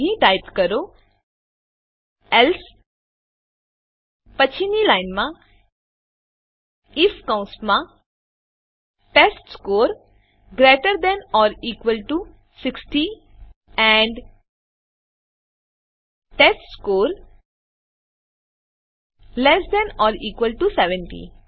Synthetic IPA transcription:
ɦĩʈaːɪpkəɾo | ɛls | pət͡ʃʰinilaɪnmã | ɪfkãʊ̃smã | ʈesʈskoːɾ | ɡɾeːʈəɾd̪ɛ̃nɔːɾiːkʋəlʈu | sɪksʈi | ɛ̃ɳɖ | ʈesʈskoːɾ | lɛsd̪ɛ̃nɔːɾiːkʋəlʈusɛʋɛ̃ɳʈḭ

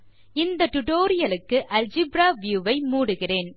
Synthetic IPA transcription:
ɪnd̪ɐʈʊʈoːɾɪjɐlɯkːɯʔɐld͡ʒɪbɾaːʋjuːʋɐɪmuːɽɯɣɪreːn

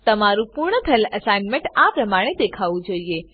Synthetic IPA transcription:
t̪əmaɾũpuɾɳəpʰɛləsajnmẽɳʈapɾəmaɽ̃ed̪ekʰaʋũd͡ʒoie

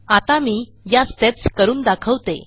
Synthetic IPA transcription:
at̪amiː | jast̪epskəɾuːnd̪akʰəʋt̪ḛ

